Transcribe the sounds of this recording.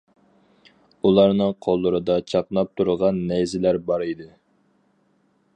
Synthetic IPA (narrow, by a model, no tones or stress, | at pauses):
ulˠɑɾnɨqʰolˠːʊɾɨd̪ɑt͡ʃʰɑqnɑp̚t̪ʰuɾʁɑnːɛjzɪlæɾbɑɾid̪ɨ